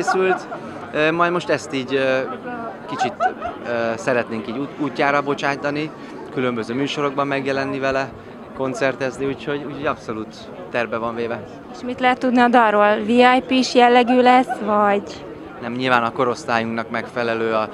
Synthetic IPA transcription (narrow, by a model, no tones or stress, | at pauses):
eːsylt̪ | ømɒjd̪mo̞ʃt̪ɛst̪iːɟø | kit͡ʃit̪øːsɛɾɛt̪neːŋkiːɟuuːcːaːɾɒbo̞t͡ʃaːjt̪ɒni | kylømbøzøːmyːʃo̞ɾo̞ɡ̚bɒmːɛɡjɛlɛnːivɛlɛ | ko̞nt̪sɛrt̪ɛzniuːcho̞ɟuːcho̞ɟɒpso̞luːt̪ː | ɛrbɛvɒɱveːvɛ | eʃmit̪lɛɦɛt̪ːud̪niɒd̪ɒrroːlviɒjpiʃjɛlːɛɡyːlɛsvɒɟ | nɛmɲilvaːnɒko̞ɾo̞st̪aːjuŋknɒkmɛkfɛlɛløːɒ